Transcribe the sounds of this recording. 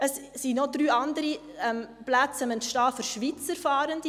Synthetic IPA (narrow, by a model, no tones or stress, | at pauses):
əssinodɾyːɑndəɾi | ɛm | plæt͡səməntʃtɑːføɾʃʋit͡səɾfɑːɾənd̥i